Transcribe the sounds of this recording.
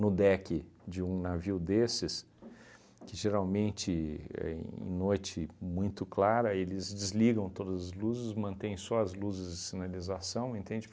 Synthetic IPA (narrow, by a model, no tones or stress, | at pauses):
nʊd̪ɛkɪd͡ʒɪũnaviwd̪esɪs | kɪʒeɾawmẽnt͡ʃɪɛ̰ḛ̃j̃nojt͡ʃɪmũj̃t̪ʊklaɾɐelɪzd͡ʒɪzliɡɐ̃w̃t̪od̪ɐzɐzluzɪsmɐ̃nt̪ẽj̃sɔɐzluzɪzd͡ʒɪsinalizasɐ̃w̃ẽnt̪ẽd͡ʒɪ